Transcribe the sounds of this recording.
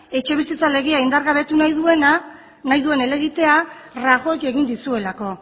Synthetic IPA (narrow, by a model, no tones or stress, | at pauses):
e̞t͡ʃe̞β̞isit͡sale̞ɣ̞eaind̪aɾɣaβ̞e̞t̪unajðue̞na | najðue̞ne̞le̞ɣit̪e̞araɣo̞eke̞ɣ̞ind̪isue̞lako̞